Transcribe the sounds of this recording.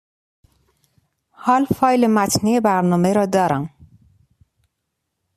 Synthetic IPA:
hɒːlfɒːjlemæt̪ʰniːebæɾnɒːmeɾɒːd̪ɒːɾæm

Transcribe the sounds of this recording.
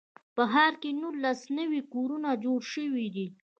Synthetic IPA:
pəɦaɾkenulːasnəwikoɾunad͡ʒoɽʃəwid̪i

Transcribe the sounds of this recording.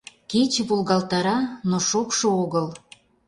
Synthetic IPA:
ket͡ɕβulɣɑlt̪ɑɾɑnoʃokʃooɣəl

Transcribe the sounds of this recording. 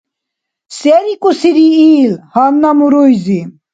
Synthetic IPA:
sɛɾikʼusiɾiiːlhanːamuɾujzi

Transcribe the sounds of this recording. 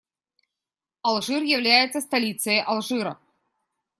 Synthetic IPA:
ɐlˠʐɨrjɪvlʲæjɪt̪səst̪ɐlʲit̪sɨjəjʔɐlˠʐɨɾə̰

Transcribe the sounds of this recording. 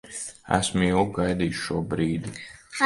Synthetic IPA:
æ̰smjuɡajd̪iːʃʃuɔbɾiːd̪i

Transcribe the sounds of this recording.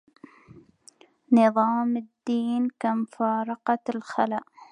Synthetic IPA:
nɨðˤɑːmɪd̪ːiːnkamfɑːɾˤɑqɑlxalaʔ

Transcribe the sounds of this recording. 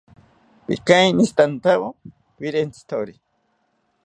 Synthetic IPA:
pḭkajnist̪ant̪awo | wiɾent͡sʰi̥t̪ʰoɾi

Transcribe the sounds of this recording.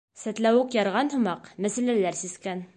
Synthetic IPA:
sæt̪læwʉɘkjɑɾʁɑnhɤ̆mɑqmæsælælæɾsiskæn

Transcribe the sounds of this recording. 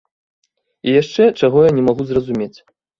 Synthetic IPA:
ijaʂt͡ʂɛt͡ʂaɣɔjanʲɛmaɣuzrɐzumʲet͡sʲ

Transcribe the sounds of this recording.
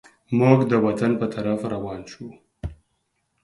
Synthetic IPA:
muɡd̪əwat̪anpət̪ʰaɾafɾawɑːnʃu

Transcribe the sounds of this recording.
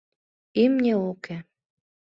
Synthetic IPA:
imnʲeoke

